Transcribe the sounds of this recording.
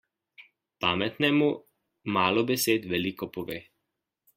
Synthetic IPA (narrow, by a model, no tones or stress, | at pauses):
paːmɛt̪nɛmu | maːlɔbɛseːt̪ʋɛlikɔpɔʋḛː